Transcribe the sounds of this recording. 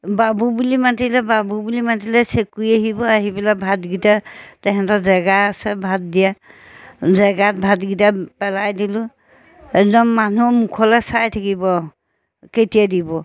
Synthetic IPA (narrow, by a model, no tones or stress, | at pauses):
babubulimatilɛbabubulimatilɛsekujaɦibɔaɦibɛlabʱatɡitatɛɦɛtɔzɛɡaːsɛbʱat̚dija | zɛɡat̚bʱatɡitapɛlajdilʊ | ɛk̚dɔmːanumukʰɔlɛsajtʰakibɔ | ketijadibɔ